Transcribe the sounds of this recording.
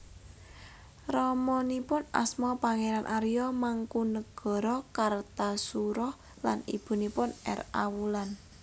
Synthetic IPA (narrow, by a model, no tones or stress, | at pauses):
rɔmɔnipʊna̰smɔpaŋeɾanʔaɾijɔmaŋkunəɡ̥ɔ̤ɾɔkart̪asuɾɔh | lanḭb̥ṳnipʊnɛ̰ra̰wulan